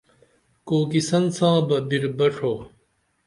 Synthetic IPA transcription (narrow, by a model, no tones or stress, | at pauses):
koːkisɐnsãːbɐbiɾbɐʂʰoː